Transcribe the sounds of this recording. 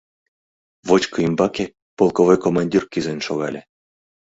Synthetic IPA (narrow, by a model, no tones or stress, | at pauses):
βot͡ɕkɤimbɑkʲe | polˠkovojkomɑnʲdʲirkizenʲʃoɣɑlʲe